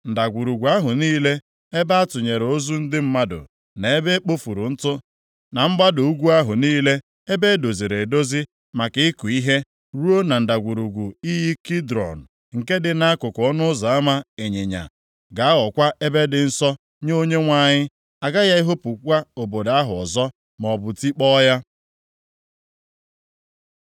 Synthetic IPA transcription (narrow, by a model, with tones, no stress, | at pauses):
n̩˨da˨ɡʷu˨ɾu˨ɡʷu˨a˦ɦʊ˨niː˦le˦ | e˦ba˦a˦tʊ˨ɲe˨ɾo˦zu˦n̩˦dɪ˦m̩˦ma˦dʊ̰˨ | ne˨e˦be˦k͡po˦fu˨ɾu˨n̩˦tʊ˦ | na˨m̩˦ɡ͡ba˦dʊ˨u˦ɡʷu˦a˦ɦʊ˨niː˦le˦ | e˦be˦do˨zi˨ɾe˨do˦zi˦ | ma˨kɪ˨ɪ˦ku˨i˦ɦe˦ | ɾu˦o˦na˨n̩˨da˨ɡʷu˨ɾu˨ɡʷu˨i˦ɦi˦ki˦dɾɔ̰˨n̩˨ | ŋ̩˨ke˦dɪ˨na˦kʊ˨kɔ˦nʊ˦za˨a˦ma˦e˨ɲe˨ɲa̰˨ | ɡa˨a˦ɔ˨kʷa˦e˦be˦dɪ˨n̩˦sɔ˦ | ɲ˦o˦ɲe˦ŋʷa˦˨ɲɪ˦ | a˨ɡa˦ja˦i˦ɦo˦pu˨kʷa˦o˨bo˨da˦ɦʊ˨ɔ˨zɔ˦ | m˨ɔ˨bʊ˨ti˦k͡pɔ˦ja˦